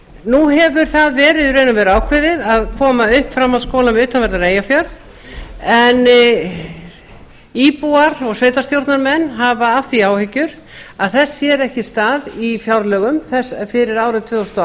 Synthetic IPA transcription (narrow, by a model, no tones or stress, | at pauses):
nuɦɛvʏɾ̥θaðvɛːɾɪðreːjnʏmvɛɾʏaːwkʰvɪðɪðaðkʰɔːmaʏhpfɾamːaðskoːwlamʏːt̪anvɛɾt̪naɾeːjafjaɾð | ɛn | iːpuaɾɔɣsveːjt̪ast̪jowɾt̪naɾmɛnːɦavaaft̪iaːwhɪcːʏɾ̥ | aðθɛsːjɛɾɛhcɪst̪aːðifjawɾlœːɣʏmθɛsfɪɾɪɾaːwɾʏt̪ʰvʏːðɔst̪ɔ